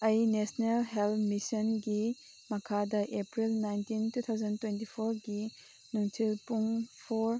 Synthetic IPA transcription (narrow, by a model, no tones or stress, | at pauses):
ɐjnesnelɦelmisɔnɡi | mɐkʰadɐʔepɾilnajntintut̪ʰawzɐntwentipʰoɾɡi | nuŋtʰilpuŋpʰoɾ